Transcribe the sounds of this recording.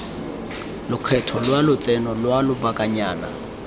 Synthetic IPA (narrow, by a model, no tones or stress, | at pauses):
lʊkʰɛtʰɔlwalʊt͡sʼɛnɔlwalʊbakʼaɲaːna̰